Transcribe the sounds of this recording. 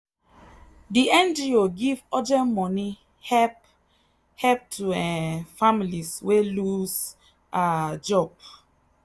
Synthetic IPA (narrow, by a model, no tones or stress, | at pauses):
diɛ̃nd͡ʒioɡivɔd͡ʒɛ̃nmɔni | hɛp | hɛp̚tʰuɛfamiliswelus | ad͡ʒɔb̥̚